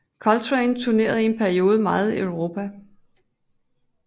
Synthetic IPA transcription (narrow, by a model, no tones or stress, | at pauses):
kʰɒ̽lt͡sʰʁɛɪnt͡sʰuɐne̝̰ːɐðˠie̝npʰæɐio̝ːð̞ˠəmɑ̈ːð̞̩ˠiœʊʁo̝ːpʰæ